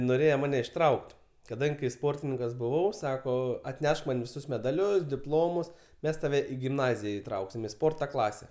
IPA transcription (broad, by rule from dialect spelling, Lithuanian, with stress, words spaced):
noːˈrʲeːjɛ ˈmɑːnʲɛ ɪʃˈtrɐʊkʲtʲ kɐˈdɐŋʲɡʲɪ kɐɪ ˈspoːrʲtʲɪnʲɪŋkɐs bʊˈʋɐʊ ˈsɑːkoː ɐtʲˈnʲɛʃk mɐn ʋʲɪˈsʊs mʲɛdɐˈlʲʊs dʲɪˈplˠoːmʊs ˈmʲɛs tɐˈʋʲɛ ɪ ɡʲɪmˈnɑːzʲɪjɛ ɪˈtrɐʊksʲɪm ɪ ˈspoːrtɐ ˈklˠɑːsʲɛ